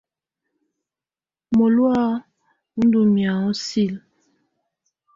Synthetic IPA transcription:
mo˨lwa˦ | u˦n˦du˨mja˨ɔ˦si˦˨l

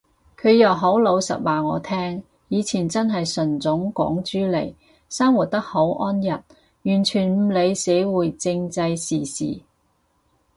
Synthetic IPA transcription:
kʰɵ˨˧ɥjɐ˨˩wɦo˨˥wlo˨˧wsɐ̰˨t̚waː˨˩ŋɔ̰ː˨˧t̪ʰɛː˥ŋ | jiː˨˧t͡sʰiː˨˩nt͡sɐ˥nɦɐ˨jsɵ˨˩nt͡sʊ˨˥ŋkɔ̰ː˨˥ŋt͡ʃyː˥lḛ˨˩j | saː˥ŋwu˨˩t̚t̪ɐ˥k̚ho˨˥wʔɔː˥njɐ˨t̚ | jyː˨˩nt͡ʃʰyː˨˩nm̩˨˧le˨˧jse˨˥wuː˨˩jt͡sɪ˧ŋt͡sɐ˧jsiː˨˩sḭː˨˩

